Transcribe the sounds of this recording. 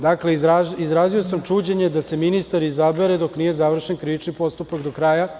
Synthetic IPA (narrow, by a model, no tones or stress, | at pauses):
d̪akle̞aizɾaːzio̞samt͡ʃuːd͡ʑe̞ɲe̞d̪ase̞minist̪aɾizabe̞ɾed̪o̞knije̞zaʋr̩ʃe̞nkɾiʋit͡ʃnipo̞st̪upakd̪o̞kɾaːja